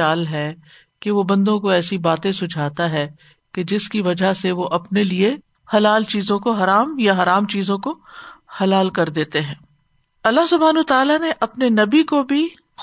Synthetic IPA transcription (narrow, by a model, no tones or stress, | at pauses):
aːlɦɛ | keʋobɐ̃nd̪õkoɛːsibaːt̪ẽsʊd͡ʒʱaːt̪aɦɛ | ked͡ʒɪskiʋɐd͡ʒaɦseʋoʔɐpnelie | hɐlaːlt͡ʃiːzõkoɦɐɾaːmjaɦɐɾaːmt͡ʃiːzõkohɐlaːlkɐɾd̪eːt̪eɦɛ̃ː | ɐlːaɦsʊbʱaːnːt̪aːlaneʔɐpnenɐbikobʱi